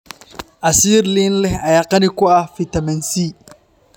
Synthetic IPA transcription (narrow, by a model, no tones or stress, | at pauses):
ʔasiːɾlinlɛajaqɐnikʊafit̪ɐmɐnsiː